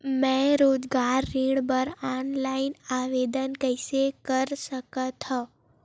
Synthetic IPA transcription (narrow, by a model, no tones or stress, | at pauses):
mɛ̃ɾod͡ʒɡaɾːiɳbəɾɔnlainaʋed̪ənkəjsekəɾʃəkət̪ʰɔ